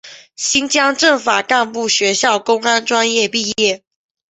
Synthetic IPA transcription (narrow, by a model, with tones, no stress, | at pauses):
ɕi˥nt͡ɕjɑ˥ŋʈ͡ʂə˥˩ŋfa̰˨˩ka˥˧npu˥˩ɕɥɛ˧˦ɕjɑ˥˩ʊkʊ˥ŋa˦nʈ͡ʂwa˥˦njɛ˥˧pi˥˧jɛ˥˩